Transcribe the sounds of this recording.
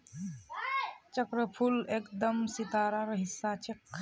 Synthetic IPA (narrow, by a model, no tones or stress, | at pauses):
t͡ʃəkɾəpʰuleːkd̪əmsɪt̪aːɾaɾəɦɪsːat͡ʃek